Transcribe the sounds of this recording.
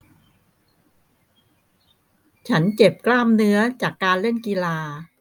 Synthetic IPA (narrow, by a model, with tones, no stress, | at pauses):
t͡ɕʰa˦˥nt͡ɕe˨˩p̚klaː˥˩mnɯ˦˥ɐt͡ɕaː˨˩kːaː˧nle˥˩nki˧laː˧